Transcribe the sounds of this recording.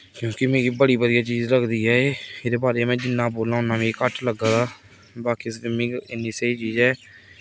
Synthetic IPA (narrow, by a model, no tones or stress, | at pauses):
kjõːkɪmeːɡiːbəɽiːbəd̪ɪjaːt͡ʃiːzɾəkʰd̪iːɦɛːeːɾeːbaːɾeːmɛ̃ːd͡ʒɪnːãːboːlãːʊnːaːmẽːkəʈʰləɡaːd̪aː | baːkiːsɪmĩːɪnːiːsəiːt͡ʃiːzɛː